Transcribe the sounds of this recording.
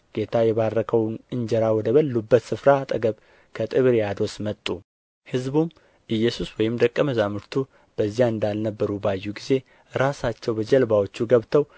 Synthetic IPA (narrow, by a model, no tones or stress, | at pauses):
ɡ̥e̞t̪ʰajɛβarːəkʰəwnɨnd͡ʒɛɾawɔd̪əβəlːubːət̪sɨfɾat̪ʼəɡəβ | kʰət̪ʼɨβɾjad̪o̞smət̪ʼːu | hɨzbum | ʔɨjːɛsuswɔjɪmd̪əkʼːəməzamɨɾt̪ʰu | b̥əzːijaɨnd̪alnəbːəɾubajːuɡize̞ | ɾasat͡ʃːɛwbəd͡ʒɛlbawo̞t͡ʃːuɡəβt̪ʰəw